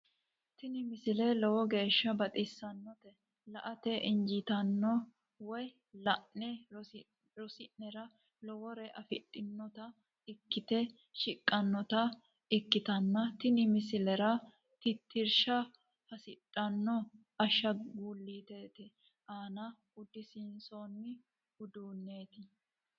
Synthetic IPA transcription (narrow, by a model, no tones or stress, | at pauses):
t̪ɪnɪmɪsɪlɛlɔwɔɡe̞ːʃːɐbɐt̪ʼɪsːɐnːɔt̪ɛ | lɐʔɐt̪ɛʔɪnd͡ʒɪt̪ɐnːɔ | wɔj | lɐʔɛ | ɾɔsɪnnɛɾɐ | lɔwɔɾɛʔɐfɪtʼːɪnːɔt̪ɐ | ɪkːɪt̪ɛ | ʃɪkʼːɐnːɔt̪ɐ | ɪkːɪt̪ɐnːɐt̪ɪnɪmɪsɪlɛɾɐ | t̪ɪt̪ːɪɾʃɐ | hɐsɪtʼːɐnːɔ | ɐʃːɐɡuːlːiːt̪eːt̪ɛ | ʔaːnɐ | ʊd̪ɪsɪnsoːnːɪ | ʊd̪uːnːeːt̪ɪ